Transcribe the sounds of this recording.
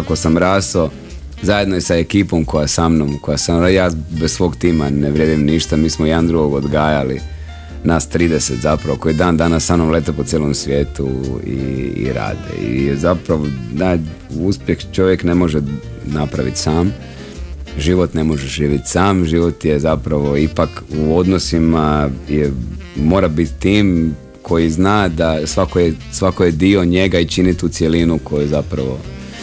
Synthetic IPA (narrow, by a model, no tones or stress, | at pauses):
akosamɾaːso | zajed̪noisaekiːpo̞mko̞jasamnomkojasajaːbessʋo̞ːɡt̪iːmaneʋɾjed̪imniʃt̪amiːsmojed̪and̪ɾuɡoɡod̪ɡaːjali | naːst̪ɾiːd̪eset̪zapɾaʋoko̞jid̪aːnd̪anasːamnomleːt̪aposjelomsʋʲje̞ːt̪uḭḭɾa̰ːd̪ḛḭjezapɾaʋona | uspjext͡ʃo̞ʋjekne̞mo̞ʒe | napɾaʋḭt̪saːm | ʒiʋo̞t̪ne̞mo̞ʒeʒiːʋjit̪saːmʒiʋo̞t̪jezapɾaʋo̞ipakuo̞d̪nosimajemo̞ːɾabit̪t̪ːiːm | kʰo̞jiznaːd̪asʋakojesʋakojed̪io̞ɲe̞ɡait͡ʃinit̪uːt̪sje̞linuko̞juzapɾa̰ʋo̞